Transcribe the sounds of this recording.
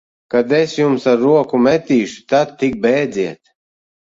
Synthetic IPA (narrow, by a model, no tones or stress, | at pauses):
kad̪ɛsjumsaɾːuɔkumɛt̪iːʃu̥t̪ad̪̚t̪ːik̚bɛːd̪ziɛt̪̚